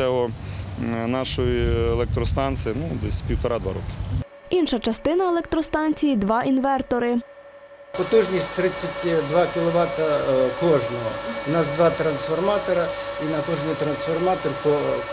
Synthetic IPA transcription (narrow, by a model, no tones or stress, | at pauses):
ɛɦɔ | nɑʃɔjielˠɛk̚t̪ɾɔst̪ɑnsɪjinud̪ɛsʲpʲiwt̪ɔɾɑd̪ʋɑ̰ɾɔ̰kɪ̥ | inʃɐt͡ʃɐst̪ɪnɐelˠɛk̚t̪ɾɔst̪ɑnʲt͡sʲijid̪ʋɑʔinʋɛrt̪ɔɾɪ | pɔt̪uʒnʲisʲtʲt̪ɾɪt͡sʲːɐtʲd̪ʋɑkʲɪlˠɔʋɑt̪ɐkɔʒnɔɦɔ̰wnɑsd̪ʋɑt̪ɾɐnsfɔrmɑt̪ɔɾɐ | inɐkɔʒnijt̪ɾɐnsfɔrmɑt̪ɔrt̪ɔ